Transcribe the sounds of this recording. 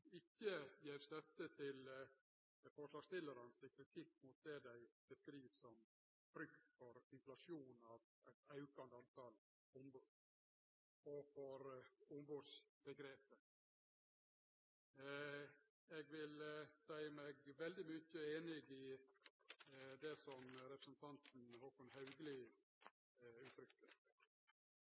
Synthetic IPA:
ɪçːəjeːʋst̪œt̪ːət̪ʰɪl | fɔʂlɑːɡ̥st̪ɪlːəɾənsɪkʰɾɪt̪ʰɪkːmʊt̪̚d̪ɛd̪æɪb̥əskɾiːʋsɔm | b̥ɾʏkt̪fɔɾɪnflɑʂjuːnɑːʋ | æɪt̪ɑʉkɑnd̪əɑnt̪ʰɑl | ʊmbuːd̪ | ɔfɔɾʊmbuːsb̥əɡɾeːpə | ɛɡʋɪlsæɪəmɛɡʋɛld̪ɪmʏçəeːnɪɡɪ | d̪ɛsɔmɾɛpɾəsənt̪ʰɑnt̪n̩hokʊnhɑʉɡlɪ | ʉːt̪ʰɾʏkːəɾ

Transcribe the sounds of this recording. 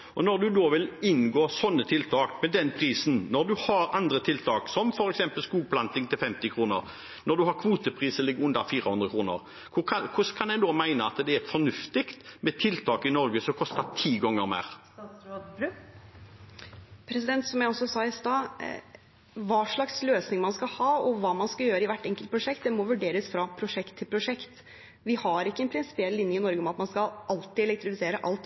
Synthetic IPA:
ʔɔnɔʁd̪ʉd̪oːʋɪlɪnɡoːsɔnːət̪ʰɪlt̪ʰɑːkmɛd̪ɛnpʰɾiːsnnɔd̪ʉhɑɾɑnd̪ɾət̪ʰɪlt̪ʰɑːksɔmfɔɾɛksɛmpəlskuːɡ̚pʰlɑnt̪ɪŋt̪ʰɪlfɛmt̪ɪkʰɾuːnə̰ʁ | nɔd̪ʉɦɑɾkʰʋuːt̪əpʰʁiːsəlɪɡːəʉnd̪ɑfiːɾʁəhʉnd̪ɾʁəkʰɾuːnə̰ʁ | kʰʊkʰɑkʰʊskʰɑnæɪd̪oːmæɪnəɑt̪d̪ɛæɾfɔnʉft̪ɪkt̪mɛt̪ʰɪlt̪ʰɑːkɪnɔɾɡəsɔkʰɔst̪ɑt̪ʰiːɡɔŋːəɾmḛːʁɑsɾoɾ | pʰɾɛsɪd̪ɛnt̪sɔmjæɪɔsɔsɑːɪst̪ɑː | ʋɑːʂɭɑksløːsnɪŋmɑnskɑhɑːɔʋɑːmɑnskɑjøːɾəɪʋæʈːɛŋkəlt̪pʰɾʊʂɛkt̪̚d̪ɛmɔʋʉɖeːɾəsfɾɑpʰɾʊʂɛkt̪ʰːɪlpʰɾʊʂɛkt̪ | ʋɪhɑɾɪkːəɛnpʰɾɪnsɪ̥pɪɛlːɪnjəɪnɔɾɡəɔmɑt̪mɑnskɑlʔɑlt̪ɪɛlɛk̚t̪ɾɪfɪseːɾəʔɑlt̪

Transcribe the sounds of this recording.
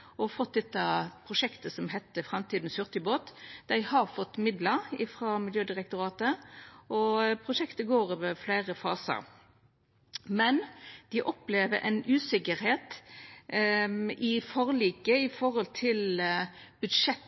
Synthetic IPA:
ɔfɔt̪̚ːd̪ɛt̪ːɑpʰɾʊʂɛkt̪əsɔmɦɛt̪ːəfɾɑmt̪ʰiːd̪n̩sʉʁt̪ɪboːt̪d̪̥æɪhɑɾfɔt̪ːmɪd̪ləɾɪfɾɑːmɪljøːd̪ɪʁɛk̚t̪ʊɾɑːt̪əʔɔpʰʁʊʂɛkt̪əɡoːɾøːʋəflæɪʁəfɑ̰ːsə̰ɾ | mɛnd̪̥ɪʔɔpleːʋəɾʔɛ̰ɪnʔʉːsɪkəɾɦeːt̪ | ɪfɔʁliːkəɪfɔɾhɔlt̪ʰɪl | b̥ʉd̪ʂɛt̪

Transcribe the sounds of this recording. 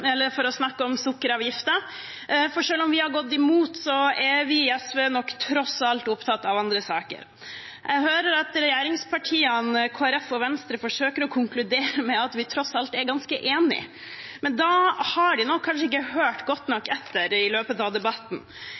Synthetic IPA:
ɛlːəɾfɔɾɔsnɑkːəɔmsʊkːəɾɑːʋjɪft̪ə | fɔɾʂøːlɔmʋɪhɑɾɡɔt̪ːɪmuːt̪sɔɛʋɪɛsʋeːnɔkːt̪ʰɾɔsɑlt̪ʊpt̪ʰɑt̪ːɑʋɑnd̪ɾəsɑːkə̰ɾ | jʔɛɡɦøːɾəɾɑt̪ɾɛjeːɾɪŋspʰɑʈʰiːənkʰoːæɾɛfɔʋɛnst̪ɾəfɔʂøːkəɾɔkʰʊŋklʉd̪eːɾəmɛɑt̪ʋɪt̪ʰɾɔsɑlt̪ɛɾɡɑnskəʔeːnɪ̰ | mɛnd̪ɑhɑɖɪnɔkʰːɑnʂ̬əɪk̬ːəhøːʈɡɔt̪ːnɔkːɛt̪ːəɾɪløːpət̪ɑʋd̪ɛbɑt̪ːn̩

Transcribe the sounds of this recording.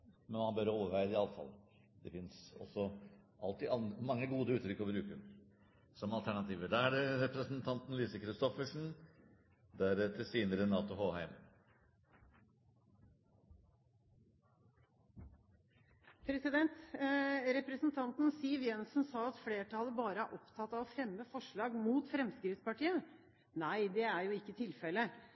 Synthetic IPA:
mɛnmɑnbœɾoːʋəɾʋæɪd̪əɪɑlːəfɑ̰lː | d̪ɛfɪnsɔ̰sːɔʔɑ̰lt̪iːɑnd̪əmɑŋːəɡuːd̪əʉːt̪ɾʏkːɔbɾʉːkə | sɔmɑlt̪ʰæɳɑt̪ʰiːʋəɖ̪ææɖɛɾɛpɾəsənt̪ʰɑnt̪n̩liːsəkʰɾɪst̪ɔfəʂn̩ | d̪æɾɛt̪ːəsiːnəɾənɑːt̪ʊhoːhæɪm | pʰɾɛsɪd̪ɛnt̪ | ɾɛpɾəsnt̪ʰɑnt̪nsiːʋjɛnsn̩sɑːɑt̪fleːʈʰɑləbɑːɾəæʔɔpt̪ʰɑt̪ːɑʋɔfɾɛmːəfɔʂɭɑːɡmuːt̪fɾɛmskɾɪftspɑʈiːə | næɪd̪ɛæɾjʊɪkːət̪ʰɪlfɛlːə

